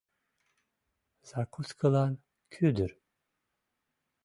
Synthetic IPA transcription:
z̥akʰuskʰɯlˠan | kʰyd̪yɾ

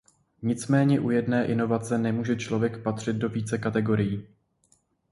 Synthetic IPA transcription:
ɲɪt͡smɛːɲɛʔujɛdnɛːʔɪno̞vat͡sɛnɛmuːʒɛt͡ʃlo̞vjɛkpat̪r̝̥ɪt̪̚do̞viːt͡sɛkat̪ɛɡo̞ɾɪjiː

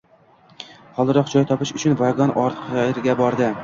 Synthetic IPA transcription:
χɒlˠd̪ɨɾɒq̚d͡ʒɒjt̪ʰɒpɪʃʊt͡ʃʰʊnvaɡɒnɒɾt̪qʰjɪɾɡʲabɒɾd̪ɪ

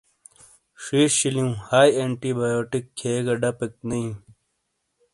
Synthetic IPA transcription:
ʂiːʂɕiliũhaːjeɳʈibaːjoːʈikʰːeːɡɐɖɐpek̚niĩ

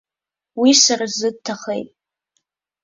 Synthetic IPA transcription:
wisaɾazɨd̚tʰaχḛjtʼ

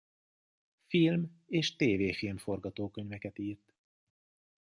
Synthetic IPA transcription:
filmeːʃt̪eːveːfilmfo̞rɡɒt̪oːkøɲvɛkɛt̪iːrt̪

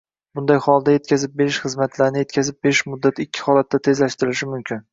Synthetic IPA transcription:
bʊnd̪ajhɒlˠd̪aje̞t̪̚kʲʰazɪp̚be̞ɾɪʃχɨzmat̪ʰlaɾnɪje̞t̪kʲazɪp̚beɾɪʃmʊd̪ːat̪ʰɪkʲʰːɪ̥hɒlat̪ʰːat̪ʰe̞zlaʃt̪ɪɾɪʃɪmʊmkʲʰɪn

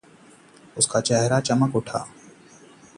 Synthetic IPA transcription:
ʊskaːt͡ʃɛɦɾat͡ʃəməkʊʈʰa̰ː

